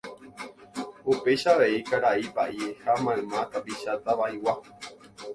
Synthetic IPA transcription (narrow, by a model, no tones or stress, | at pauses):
upe̞ʃaʋe̞ikaɾaibaʔiehamãẽmãt̪apiʃat̪aʋaiwa